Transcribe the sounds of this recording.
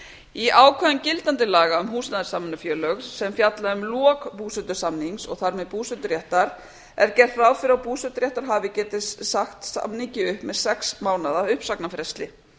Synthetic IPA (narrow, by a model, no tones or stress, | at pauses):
iaːwkʰœðʏncɪlt̪ant̪ɪlaːɣaʏmɦuːsnaðʏsamːnʏfjœːlœɣsɛmfjat̪laðʏmlɔːkpuːsɛnt̪ʏ̥samniŋsɔɣθaɾmɛðpuːsɛnt̪ʏɾjɛht̪aɾ | ɛɾcɛr̥t̪raːwfɪɾawpuːsɛt̪ʏɾjɛht̪aɾ̥ɦaːvɪcɛːt̪ɪssaxt̪sa̰mniɲcɪʏhpmɛðsɛksmaːwnaðaʏhpsaknafɾɛst̪lɪ